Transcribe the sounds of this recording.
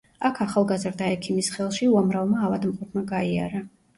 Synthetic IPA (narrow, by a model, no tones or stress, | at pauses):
akʰaχalˠɡazɾd̪aɛkʰimisχɛlˠʃiuamɾavmaːvad̪mqʼup̪ʰmaɡaia̰ɾa